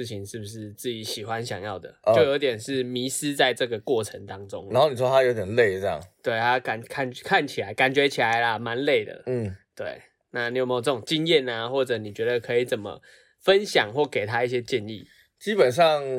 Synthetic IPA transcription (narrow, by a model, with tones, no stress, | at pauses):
ʂɻ̩˥˩t͡ɕʰi˨˦ŋʂɻ̩˥˩bu˩ʂɻ̩˥˧t͡s̩˥˩t͡ɕi˨˥ɕi˨˩xwa˦nɕjɑ̰˨˩ŋjɑ˥˩ʊd̪ə̰˩o˥˩ʊjo˧˥ʊt̪jɛ˨˩nʂɻ̩˥˩mi˧˥s̩˦t͡sa˥˧ɪʈ͡ʂɤ˥˧˩ɡə˨˩kwɔ˥˩ʈ͡ʂʰə˧˦ŋt̪ɑ˦˥ŋʈ͡ʂo˦˥ŋa˧no˥˩ni˨˩wɔ˥t̪ʰa˦jo˧˥ʊt̪jɛ˨˩nle˥˨ɪə˥˩jɑ̰˥˩ŋt̪we˥˩ɪt̪ʰa˦˥ka˨˩nkʰa˥˩nkʰa˥˨nt͡ɕʰi˨˩la˨˦ɪka˨˩nt͡ɕɥɛ˧˥t͡ɕʰi˨˩la˨˧˦ɪla˦ma˧˦nle˥˩ɪd̪ə̰˩˥˩t̪wḛ˥˩ɪ | na˥˩ni˨˦jo˨˩mẽ˧˥jo˨˩t͡sə˥˩o˨ŋt͡ɕi˦ŋjɛ˥˨na˨xwɔ˥˩ʈ͡ʂɤ˨˦ni˨˩t͡ɕɥɛ˧˥d̪ə˧kʰɤ˧˥i˨˩t͡sə˨˩nmə̰˩ | fə˦nɕjɑ˨˩ŋxwɔ˥˩ke˨˩ɪt̪ʰa˦i˥˩ɕ̬jɛ˦˥t͡ɕjɛ˥˧nḭ˥˨˩ | t͡ɕi˦˥pə˨˩nʂ̬ɑ˥˨ŋ